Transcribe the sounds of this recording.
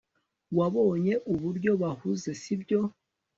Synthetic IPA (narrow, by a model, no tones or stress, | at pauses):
waβo̞ːɲe̞ʔuβuɾɟo̞βahuze̞sibɟo̞